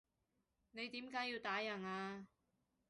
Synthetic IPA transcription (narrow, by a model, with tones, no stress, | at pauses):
ne˨˧jt̪iː˨˥mkaː˨˥jiː˧wt̪aː˨˥jɐ˨˩naː˧